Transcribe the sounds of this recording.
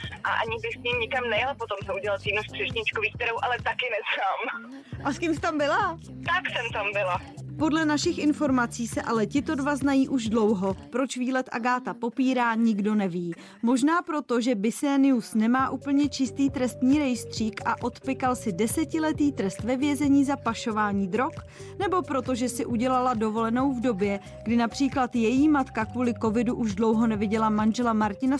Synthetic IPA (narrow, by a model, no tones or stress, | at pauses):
ʔaʔa̰ɲɪbɪxsɲimɲɪkamnɛjɛlpot̪omsɛuɟɛlalt̪iːnust̪r̥ɛʃɲɪt͡ʃkoviːk̚t̪ɛɾowʔalɛt̪akɪnɛzaːm | ʔaskimsɪ̥t̪ambɪla | t̪aksɛmt̪ambɪlapo̞dlɛnaʃɪxʔɪnfo̞ɾmat͡siːsɛʔalɛcɪt̪o̞dvaznajiːʔuʒdlo̞wɦo̞pɾo̞t͡ʃviːlɛt̪ʔa̰ɡaːt̪apo̞piːɾaːɲɪɡdo̞nɛviː | mo̞ʒnaːpɾo̞t̪o̞ʒɛbɪsɛːnɪusnɛmaːʔuːpl̩ɲɛt͡ʃɪst̪iːt̪ɾɛst̪ɲiːɾɛjst̪r̝̥iːkʔaʔo̞t̪pɪkalsɪdɛsɛcɪlɛt̪iːt̪ɾɛst̪vɛvjɛzɛɲiːzapaʃo̞vaːɲiːd̪ɾo̞k | nɛbo̞pɾo̞t̪o̞ʒɛsɪʔuɟɛlalado̞vo̞lɛno̞wvdo̞bjɛ | ɡdɪnapr̝̥iːklat̪jɛjiːmat̪kakvuːlɪko̞vɪduʔuʒdlo̞wɦo̞nɛvɪɟɛlamanʒɛlamaɾcɪna